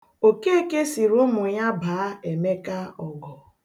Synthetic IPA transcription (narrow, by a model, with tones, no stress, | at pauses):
o˨ke˦e˦ke˦si˨ɾʊ˦mʊ˨ɲa˦baː˨a˦e˨me˦ka˦ɔ˨ɡɔ˨